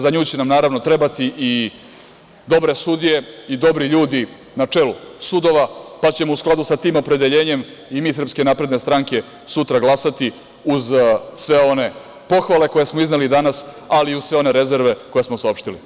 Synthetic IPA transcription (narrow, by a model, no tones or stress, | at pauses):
zaɲuːt͡ɕenamnaːɾaʋno̞t̪ɾe̞bat̪iʔi | d̪o̞bɾe̞sud̪ije̞id̪o̞bɾiʎuːd̪i | nat͡ʂelusud̪o̞ʋapat͡ɕe̞mousklad̪usat̪iːmo̞pɾe̞d̪eʎe̞ːɲe̞m | imiːsr̩pske̞naːpɾe̞d̪ne̞st̪ɾaŋke̞ | sut̪ɾaɡlˠasat̪i | uzsʋe̞o̞ne̞ | po̞xʋale̞ko̞je̞smoiznelid̪anas | aliuz̥sʋeone̞ɾe̞zeɾʋe̞ko̞je̞smo̞saopʂt̪ilḭ